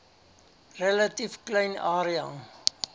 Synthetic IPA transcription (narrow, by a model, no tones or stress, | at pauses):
rəlɐtifklɛjnɑːɾiɑŋ